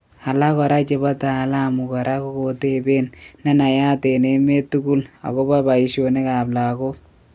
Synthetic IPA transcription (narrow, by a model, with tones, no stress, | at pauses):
a˨la˦kɔ˨ɾa˦t͡ʃe˨ba˦ta˨la˦˨mu˨kɔ˨ɾʔa˦ko˦ko˨te˦˨be˦nna˦na˨ja˦te˨ne˦me˦tu˦ku˦la̰˨ko˦ba˦ba˨i˨ʃo˨ne˦ka˨bla˨ko˦